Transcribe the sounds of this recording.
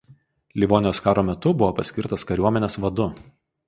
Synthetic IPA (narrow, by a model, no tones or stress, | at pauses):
lʲiʋoːnʲɪjoːskɑːɾoːmʲɛt̪ʊbʊʋoːpɐsʲkʲɪɾt̪ɐskɐɾʲuɔmʲɛnʲeːsʋɐd̪ʊ